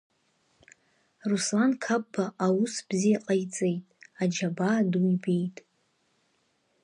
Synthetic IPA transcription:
ruslankʰapːaʔawusb̥zijaqʼajt͡sʼejtʼad͡ʒabaduibe̞jtʼ

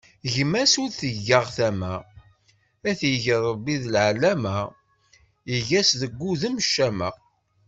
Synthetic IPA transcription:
ʝmæsuɾθəʝːəʁθæmæ | æθjəʝəɾˤəbːiðlʕalæmæ | əʝæsðəɡʷːuðəmʃːæməʁ

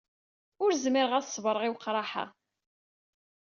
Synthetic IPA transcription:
ʊɾzmiɾʁæθsˤvəɾˤəʁiwqːɾˤɑħa̰

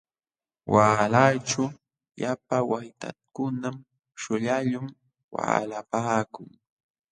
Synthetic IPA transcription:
wʔaːlajt͡ʃʊ | japawajt̪a̰kʊnam | ʃʊʎaʎʊm | wa̰ːlapaːkʊŋ

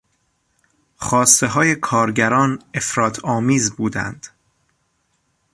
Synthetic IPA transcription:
χɒːst̪e̞ɦɒːje̞kʰɒːɾɟæɾɒːne̞fɾɒːt̪ʰɒːmiːzbuːd̪æ̰nd̪̥

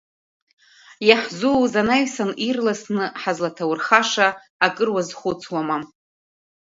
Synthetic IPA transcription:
jaħzuzanaɥsanirlasnɨħazlatʰawrχaʂaː | kʼɨrwazχʷʊt͡sʰwamam

